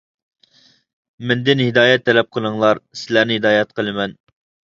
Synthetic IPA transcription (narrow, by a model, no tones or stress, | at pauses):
mɛnd̪ɪnhɪd̪ɑːjɛt̪ʰːɛlɛp̚qʰəlˠəŋlˠɑɾsɪlæɾnɪɦɪd̪ɑːjɛt̪̚qʰəlˠɨmɛn